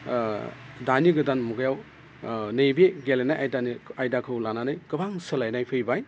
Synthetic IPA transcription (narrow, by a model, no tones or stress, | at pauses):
daniɡɯdanmuɡɯjaw | nejbeɡelenajʔajdaniajdakʰɯwlananɯjkɯbaŋsɐlajnajpʰɯjbaj